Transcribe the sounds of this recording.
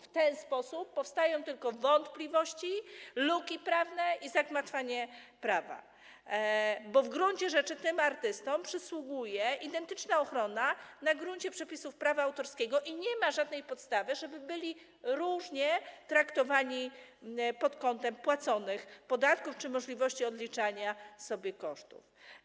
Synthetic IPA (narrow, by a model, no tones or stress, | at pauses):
ft̪ɛnspɔsupːɔfst̪ajɔ̃w̃t̪ɘlkɔvɔnt̪plʲivɔɕt͡ɕilukʲipɾavnɛʔizaɡmat̪faɲɛpɾava̰ | bɔvɡɾuɲt͡ɕɛʐɛt͡ʂɘt̪ɘmaɾt̪ɘst̪ɔmpʂɘswuɡujɛʔid̪ɛnt̪ɘt͡ʂnaɔxɾɔnanaɡɾuɲt͡ɕɛpʂɛpʲisufpɾavaawt̪ɔɾskʲɛɡɔʔiɲɛmaʐad̪nɛjpɔt̪st̪avɘʐɛbɘbɘlʲi | ɾuʐɲɛt̪ɾakt̪ɔvaɲi | pɔt̪kɔnt̪ɛmpwat̪sɔnɘxpɔd̪at̪kuft͡ʂɘmɔʐlʲivɔɕt͡ɕiɔd̪lʲit͡ʂaɲasɔbʲjɛkɔʂt̪ṵf